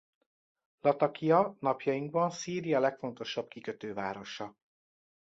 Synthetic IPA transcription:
lɒt̪ɒkijɒnɒpjɒjiŋɡ̚bɒnsiːɾijɒlɛkfo̞nt̪o̞ʃɒb̥̚kikø̞t̪øːvaːɾo̞ʃɒ

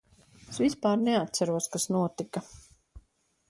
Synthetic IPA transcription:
svispaːɾnɛat̪sæɾuɔskasnuɔt̪ika

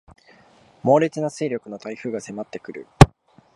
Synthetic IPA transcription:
mo̞ːɾʲet͡sɨnaseːɾʲokɯ̟no̞t̪aiɸɯ̟ːɡase̞mat̪ːe̞kɯ̟ɾɯ̟̰

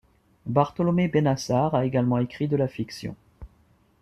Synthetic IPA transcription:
baʁt̪əlɔmebenasaʁaeɡalmɑ̃ekχid̪əlafiksjɔ̰̃

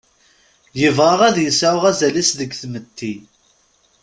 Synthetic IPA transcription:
jəvʁɑʁæðjəsaʁæzælisðəɡθmət̪ʰːi

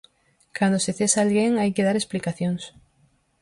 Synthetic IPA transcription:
kand̪oseθesaalɣeŋajkeðaɾesplikaθjoŋs

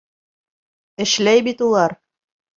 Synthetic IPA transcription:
ɘ̆ʃlæjbit̪ulˠɑɾ

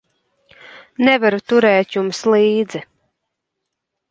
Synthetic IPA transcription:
nɛvaɾut̪uɾɛːt̪jumslˠiːd̪zi

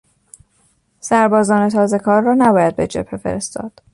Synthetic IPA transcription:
sæɾbɒːzɒːne̞t̪ʰɒːze̞kʰɒːɾːɒːnæbɒːjæd̪̚be̞d͡ʒephefe̞̰ɾe̞st̪ɒ̰ːd̪̥

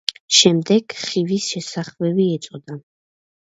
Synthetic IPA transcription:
ʃɛmd̪ɛɡ̥χivisʃɛsaχvɛbiɛt̪sʼɔd̪a

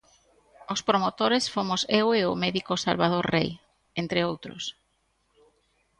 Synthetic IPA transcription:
ospɾomot̪oɾesfomʊseweʊmɛðikosa̰lβað̞oɾrḛj | ent̪ɾeowt̪ɾʊ̰s

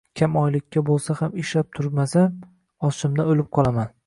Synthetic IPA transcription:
kʲʰamɒjlɪkʲːabolˠsahameʃlap̚t̪ʰʊɾmasa | ɒʃɪmd̪aolɪp̚qʰɒlˠaman

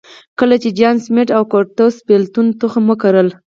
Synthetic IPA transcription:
kəlat͡ʃed͡ʒɑnsmeʈawkoʈ̪ospelt̪unt̪uxaməkaɾəl

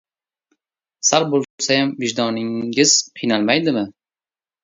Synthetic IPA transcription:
saɾbolˠʊsajamvɪʒd̪ɒnɪŋʲɪz̥qʰɨjnalˠmajd̪ɪmɪ

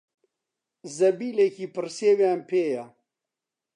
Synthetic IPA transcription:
zɐbiːlekiːpɨɾseːwjaːmpʰeːja

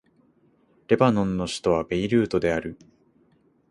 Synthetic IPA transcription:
ɾe̞banõnːo̞ɕi̥t̪o̞β̞abe̞iɾɯ̟ːt̪o̞d̪e̞aɾɯ̟

